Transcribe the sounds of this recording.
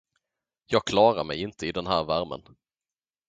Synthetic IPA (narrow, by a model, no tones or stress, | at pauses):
jɑːɡ̚kʰlɑːɾaɾmɛjɪnt̪ʰəɪd̪ɛnɦæːɾvæɾmə̰n